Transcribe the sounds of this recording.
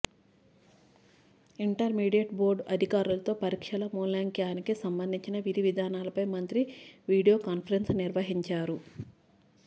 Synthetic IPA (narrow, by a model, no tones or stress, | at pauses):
iɳʈɐɾmiːɖijeʈ̚bo̞ːɾɖɐd̪ʱikaːɾulɐt̪o̞ːpɐɾiːkʂɐlɐmoːnlaːŋkjaːnikisɐmbɐnd̪ʱiɲt͡ʃinɐʋiɾiʋid̪ʱaːnaːlɐpɐjmɐnt̪ɾiʋiːɽijoːkaːnpʰɐɾensniɾʋɐɦiɲt͡ʃaːɾu